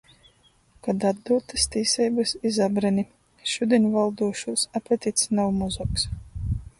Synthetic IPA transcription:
kad̪ad̪d̪uːt̪ɨst̪iːsɛjbɨsizabɾɛnʲi | ʃud̪ʲenʲvalˠd̪uɔʃuːsapʲɛt̪ʲit̪snawmɔzɔks

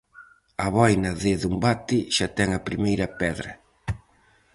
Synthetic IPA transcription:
ɐβɔjnɐðɪðumbat̪ɪʃat̪ɛŋɐpɾimejɾɐpɛðɾɐ

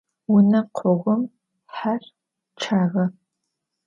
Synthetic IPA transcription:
wʊnɐqʷʰɔʁʷʊm | ħar | t͡ʃʰaːʁɐ

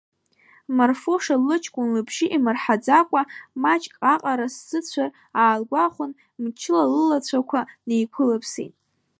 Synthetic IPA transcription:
marfo̞ʂalːɨt͡ʃʰkʷʼʊnlɨbʰʒɪʔimɨrħad͡zakʷʼamat͡ʃʼkʼaqʼaɾaszɨt͡ɕʷʰar | aːlɡʷaχʷʊn | mt͡ʃʰɪlalɨlat͡ɕʷʰakʷʰanejkʷʰʊlɨpʰsḛtʼ

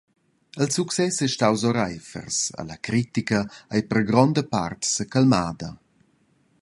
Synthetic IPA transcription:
əlsuksɛsɛʃtawzɔɾajfə̰rsa̰lakɾit̪ikɐajpərɡɾɔnd̪əpa̰rt̪səkalmaːd̪ɐ

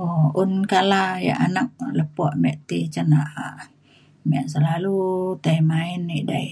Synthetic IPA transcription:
ounkalaja̰ʔanak̚ləpɔʔmɛʔt̪it͡ʃanaʔaʔ | mɛʔsəlalut̪aimainːiʔdaiʔ

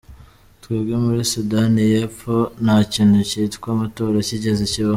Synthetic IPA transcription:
twiːbɡemuɾisudanijep͡fo̞nhaciːnhucitkwamato̞ːɾaciɟe̞zeciβa

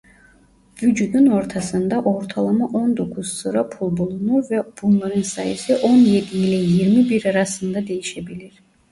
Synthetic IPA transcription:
vyd͡ʒud̪yno̞ɾt̪ʰɑsɯnd̪aʔo̞ɾt̪ʰalˠamaʔo̞nd̪o̞kʰuz̥sɯɾapʰulˠbulˠunuɾvɛb̥unlˠaɾɯnsɑjisiʔo̞njed̪iːlʲɛjiɾmibiɾaɾɑsɯnd̪ad̪e̞jiʃebilʲiɾ̥

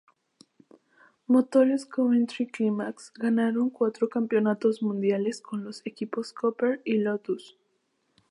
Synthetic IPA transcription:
mot̪oleskomẽnt̪ɾiklimaksɡanaɾo̞ŋkwat̪ɾokampjo̞nat̪o̞zmũnd̪jale̞sko̞nlo̞sekipo̞skopeɾilot̪us

